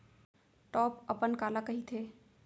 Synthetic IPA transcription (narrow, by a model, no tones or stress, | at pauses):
ʈɔpəpənkalakəɦit̪ʰe